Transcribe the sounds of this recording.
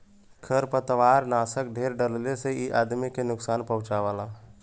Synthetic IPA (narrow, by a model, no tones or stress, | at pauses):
kʰəɾpət̪ʋaːɾnaːsək̚ɖʱeːɾɖəlleseiʔaːd̪mikenʊksaːnpəɦʊ̃t͡ʃaʋaːlaː